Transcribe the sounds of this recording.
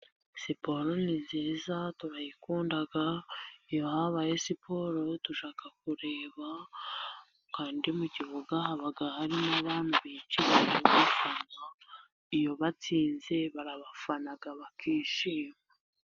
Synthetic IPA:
sipo̞ɾonizeːzatuɾajikuːndaɡaijohaβaje̞sipʰo̞ɾotuʃaːkak̚uɾe̞ːβa | kaːndiumuɟiβoɡahaβaɡahaɾinaβaːn̥huβit͡ʃiβaoɡifana | ijo̞βat͡siːnze̞βaɾaβafanaɡaβakiːʃiːma

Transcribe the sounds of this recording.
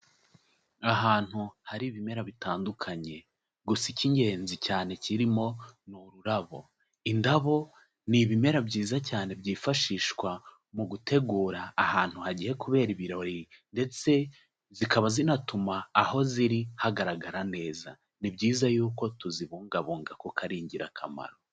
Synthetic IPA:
aɦaːn̥huhaɾiβime̞ɾaβitaːndukʰaɲe̞ | ɡusiciɲɟe̞ːnzicaːne̞ciɾimo̞nuɾuɾaβo̞ | indaβo̞ | niβime̞ɾabɟiːzacaːne̞bɟiːfaʃiːʃkwa | muɡutʰe̞ɡuːɾaːhaːn̥huhaɟihe̞kuβe̞ːɾiβiɾaɾinde̞t͡se̞ | zikaβazinatumaːho̞ziɾihaɡaɾaɡaɾane̞ːza̰ | nibɟiːzajuːko̞tuziβuːŋɡaβuːŋɡakokʰaɾiːɲɟiɾa̰kʰa̰ma̰ɾo̞

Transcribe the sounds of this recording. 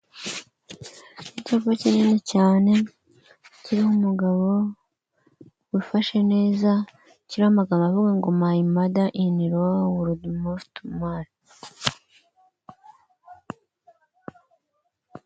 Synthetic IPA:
nicokocininecaːne̞ | ciɾihumuɡaβo̞ | wifaʃe̞ne̞ːza | ciɾihamaɡamavuɡaŋɡomaimadaʔiniɾowuɾudumuftmaɾ

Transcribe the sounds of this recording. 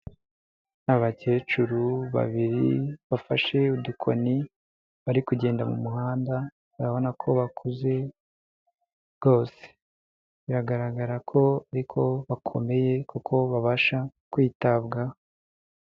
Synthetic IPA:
naβace̞ːt͡ʃuɾuβa̰βiɾiβafaʃe̞udukʰo̰ni | βaɾikuɟe̞ːndamumuhaːnda | βaɾaβo̞nakʰo̞βakʰuze̞ | ɡo̞ːse̥ | βiɾaɡaɾaɡaɾakʰo̞aɾikʰo̞βakʰo̞̰me̞je̞kukʰo̞βaβaʃakwiːtabɡa

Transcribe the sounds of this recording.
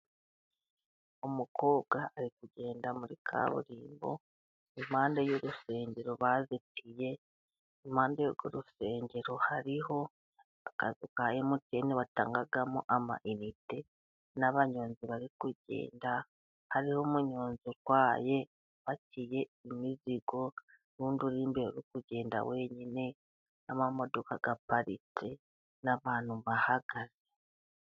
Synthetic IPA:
omuko̞ːb̚ɡaːɾikuɟe̞ːndamuɾikʰa̰βṵɾiːmbo̞̰ | imhaːndejoɾuse̞ːɲɟe̞ɾo̞βazitije̞ | im̥aːndejoɡo̰ɾuse̞ːɲɟeɾo̞haɾiho̞ | aka̰zikajemuteneβata̰ːŋɡaɡamuʔama̰ʔinite | naβaɲo̞ːnziβaɾikuɟḛːnda | haɾihomuɲoːnzikwaːje̞ | βaciːje̞imiziɡ̥o̞ | ɾuːnduɾiːmbeoɾokuɟe̞ːnda̰we̞ɲine̞ | amamo̞do̞kaɡapaɾḭt͡si | naβaːn̥huβahaɡaze

